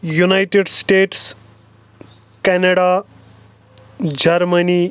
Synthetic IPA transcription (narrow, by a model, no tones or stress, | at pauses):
junajʈeɖsʈeʈs | kɛnɐɽa | d͡ʒɐɾmɐni